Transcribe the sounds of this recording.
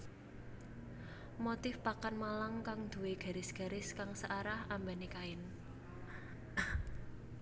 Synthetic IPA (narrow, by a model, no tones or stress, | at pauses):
mot̪ɪfpakanmalaŋkaŋd̪̥ṳweɡ̥a̤ɾɪsɡ̥a̤ɾɪskaŋsəʔaɾahambanikaɪn